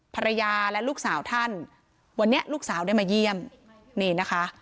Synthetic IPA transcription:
pʰa˧ɾa˧jaː˧lɛ˦˥luː˥˩k̚saː˩˦wt̪ʰa˥˩n | wa˧nːi˦˥ɐʔluː˥˩k̚saː˩˦wda˥˩jmaː˧ji˧˥˩əm | niː˧˩na˦˥kʰa˦˥

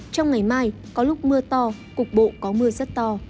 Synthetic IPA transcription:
t͡ɕɔ˧wŋ͡mŋa˨˩jmaː˧j | kɔ˨˦lʊ˦˥k͡p̚mɨ˧ət̪ɔ˧ | kʊ˨˩k͡p̚ɓo̰˧˨kɔ˨˦mɨ˧əzə˦˥t̚t̪ɔ˧

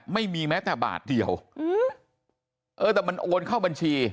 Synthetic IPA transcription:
ma˥˩jmiː˧mɛː˦˥t̪ɛː˨˩ba̰ː˨˩t̪̚di˨˩əwː | ʔɤː˧t̪ɛː˨˩ma˧nʔoː˧nkʰa˥˩wba˧nt͡ɕʰiː˧

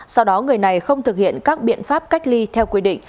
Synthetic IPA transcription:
sa˧wɗɔ˨˦ŋɨ˨˩əjna˨˩jxə˧wŋ͡mt̪ʰɨ˨˩k̚hḭ˧˨ənkaː˦˥k̚ɓḭ˧˨ənfaː˦˥p̚ka˦˥jk̟̚li˧t̪ʰɛ˧wkwi˧ɗḭ̈˧˨ŋ̟

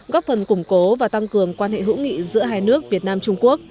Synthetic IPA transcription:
ɣɔ˦˥p̚fə˨˩nkʊ˧˩ŋ͡mko˨˦vaː˨˩t̪a˧ŋkɨ˨˩əŋkwaː˧nhḛ˧˨ɦṵ˧˥ŋḭ˧˨zɨ̰˧˥əɦaː˧˩jnɨ˦˥ək̚vi˨˩ət̚naː˧mt͡ɕʊ˧ŋ͡mku˦˥ək̚

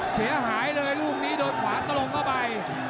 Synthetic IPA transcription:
si˩˦ɐɦaː˩˦jlɤː˧jluː˥˩k̚niː˦˥doː˧jkʰwaː˩˦ŋt̪a˧lo˧ŋma˦˥˩ba˧j

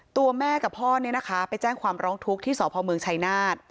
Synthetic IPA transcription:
t̪u˧ɐmɛː˥˩ka˨˩pʰɔː˥˩ni˥˩na˦˥kʰa˦˥pa˧jt͡ɕɛː˥˩ŋkʰwaː˧mɾɔː˦˥ŋt̪ʰu˦˥k̚t̪ʰiː˥˩sɔː˩˦pʰɔː˧mɯ˧əŋt͡ɕʰa˧jnaː˥˩t̪̚

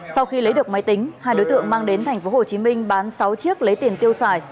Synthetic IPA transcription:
sa˧wxi˧lə˨˦jɗɨ˨˩ək̚ma˨˦jt̪ï˨˦ŋ̟haː˧jɗo˨˦jt̪ɨ̰˧˨əŋmaː˧ŋɗe˨˦nt̪ʰa˨˩jŋ̟fo˨˦ho˨˩t͡ɕi˨˦mï˧ŋ̟ɓaː˨˦nsa˨˦wt͡ɕi˦˥ək̚lə˨˦jt̪i˧˩ənt̪i˧əwsaː˧˩j

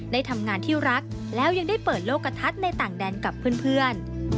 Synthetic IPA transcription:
da˥˩jt̪ʰa˧mŋaː˧nt̪ʰiː˥˩ɾa˦˥k̚ | lɛː˦˥wja˧ŋda˥˩jpɤː˨˩t̪̚loː˥˩kːa˧t̪ʰa˦˥t̪̚na˧jt̪aː˨˩ŋdɛː˧nka˨˩pʰːɯː˥˩ənpʰɯ˥˩ən

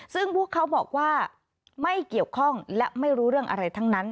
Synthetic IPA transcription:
sɯ˥˩ŋpʰu˥˩əkʰːa˦˥wbɔː˨˩k̚waː˥˩ | ma˥˩jki˨˩əwkʰɔ˥˩ŋlɛ˦˥ʔma˥˩jɾuː˦˥ɾɯ˥˩əŋʔa̰˧ɾa˧jt̪ʰa˦˥ŋna˦˥n

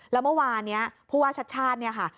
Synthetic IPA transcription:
lɛː˦˥wmɯ˥˩waː˧nːi˦˥ɐpʰuː˥˩waː˥˩t͡ɕʰa˦˥t͡ɕʰaː˥˩t̪̚ni˥˩ɐkʰa˥˩

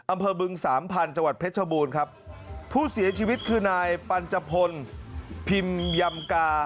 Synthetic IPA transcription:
ʔa˧mpʰɤː˧bɯ˧ŋsaː˩˦mpʰa˧nt͡ɕa˧ŋwa˨˩t̪̚pʰe˦˥t̪̚t͡ɕʰa˧buː˧nkʰa˦˥p̚ʰːuː˥˩si˩˦ɐt͡ɕʰiː˧wi˦˥t̪̚kʰɯː˧naː˧jpa˧nt͡ɕa˧pʰo˧npʰi˧mja˧mkaː˧

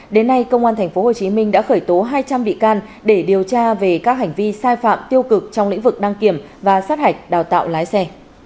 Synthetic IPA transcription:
ɗe˨˦nːa˧jkə˧wŋ͡mʔaː˧nt̪ʰŋ̟fo˨˦ɦo˨˩t͡ɕi˨˦mï˧ŋ̟ɗa̰ː˧˥xəː˧˩jt̪o˨˦ɦaː˧jt͡ɕa˧mɓḭ˧˨kaː˧n | ɗe˧˩ɗi˨˩əwt͡ɕaː˧ve˨˩kaː˦˥k̚ɦa˨˩ŋ̟vi˧saː˧jfa̰ː˧˨mt̪i˧əwkɨ˨˩k̚t͡ɕɔ˧ŋ͡mlḭ˧˥ŋ̟vɨ˨˩k̚ɗa˧ŋki˧˩əm | vaː˨˩saː˦˥t̚ha˨˩jk̟̚ɗaː˨˩wt̪a̰ː˧˨wlaː˨˦jsɛ˧

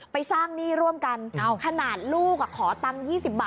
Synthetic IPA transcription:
pa˧jsaː˥˩ŋniː˥˩ɾu˥˩əmka˧n˧kʰa˧naː˨˩t̪̚luː˥˩k̚kʰɔː˩˦t̪a˧ŋjiː˥˩si˨˩p̚baː˨˩

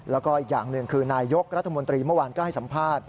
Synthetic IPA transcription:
lɛː˦˥wkɔː˥˩ʔi˨˩k̚ja̰ː˨˩ŋnɯ˨˩əŋkʰɯː˧naː˧jjo˦˥k̚ɾa˦˥t̪ʰːa˧mo˧nt̪ɾiː˧mɯ˥˩əwaː˧nkɔː˥˩ha˥˩jsa˩˦mpʰaː˥˩t̪̚

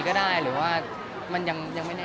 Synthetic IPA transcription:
kɔː˥˩daː˥˩jɾɯː˩˦waː˥˩ | ma˧nja˧ŋja˧ŋma˥˩jnɛː˥

